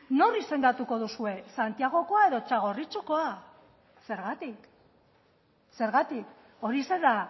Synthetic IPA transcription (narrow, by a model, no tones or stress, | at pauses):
no̞rise̞ŋɡ̪at̪uko̞ðusue̞sant̪iaɣ̞o̞ko̞ae̞ðo̞t͡ʃaɣ̞o̞rit͡ʃuko̞a | se̞ɾɣat̪ik | se̞ɾɣat̪ik | o̞ɾise̞ða